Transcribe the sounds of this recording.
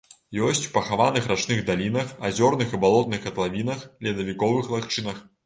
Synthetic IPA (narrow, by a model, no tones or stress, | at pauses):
jɔsʲt͡sʲpɐxavanɨxrat͡ʂnɨɣd̪alʲinɐxazʲɔrnɨxibalˠɔt̪̚nɨxɐt̪lˠavʲinɐxlʲɛd̪ɐvʲikɔvɨxlˠaxt͡ʂɨnɐx